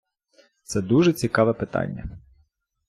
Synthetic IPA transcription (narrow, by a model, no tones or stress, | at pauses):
t̪sɛd̪uʒɛt͡sʲikɑʋɛpɪt̪ɑ̰nʲːɐ̰